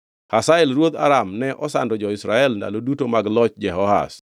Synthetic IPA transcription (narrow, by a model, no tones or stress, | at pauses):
hasaɛlɾwod̪a̰ɾamnɛʔɔsa̰ndɔd͡ʒɔɪsɾaɛlnda̰lodutomaɡlɔt͡ʃd͡ʒɛɦɔha̰s